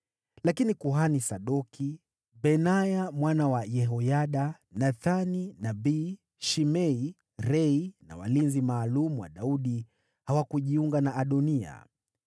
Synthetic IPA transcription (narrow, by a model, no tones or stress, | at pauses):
lakinikuɦanisaɗɔkʰi | bɛnajamwanawajɛɦɔjaɗa | naθaninaɓiː | ʃimɛi | ɾɛina̰wa̰linzimaːlumuwa̰ɗauɗi | hawakuʄiuŋɡanaʔːɗɔnia̰